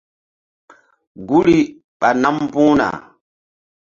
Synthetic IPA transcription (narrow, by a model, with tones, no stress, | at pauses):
ɡu˦li˦ | ɓa˨na˦mpũː˦na̰˨